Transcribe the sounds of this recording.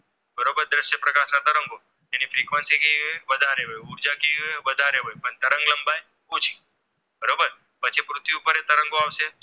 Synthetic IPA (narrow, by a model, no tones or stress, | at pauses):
bəɾobəɾd̪ɾəʃjəpɾəkaʃnat̪əɾəŋɡo | enifɾikʋənsikiʋəd̪ʱaɾeɦojuɾd͡ʒakioeʋəd̪ʱaɾeɦojpəɳt̪əɾəŋɡləmbaj | ut͡ʃʰi̥ | bəɾobəɾ | pət͡ʃʰepɾut̪ʋiupəɾet̪əɾəŋɡoaʋʃe